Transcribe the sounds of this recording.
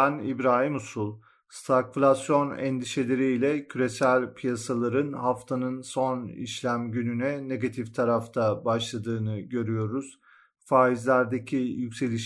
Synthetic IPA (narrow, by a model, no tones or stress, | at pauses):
ænibɾaːɦimusulˠ | st̪ʰaklʲasjo̞nɛ̰nd̪iʃe̞lʲeɾiilʲɛcʰyɾe̞sælʲpʰijasalˠaɾɯnhaft̪ʰanɯnso̞nḭʃlʲæmɟynynɛne̞ɡat̪ʰift̪ʰaɾaft̪ʰabaʃlˠad̪ɯːnɯɟø̞ɾyjo̞ɾuz̥ | faːizlʲæɾd̪e̞cʰijycʲse̞lʲiʃ